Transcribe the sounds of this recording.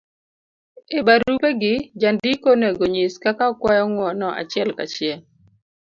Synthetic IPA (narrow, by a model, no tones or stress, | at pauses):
ebaɾupeɡɪd͡ʒandikoneɡoɲiskakakwajɔŋwɔnɔʔa̰t͡ʃɪɛlka̰t͡ʃɪɛ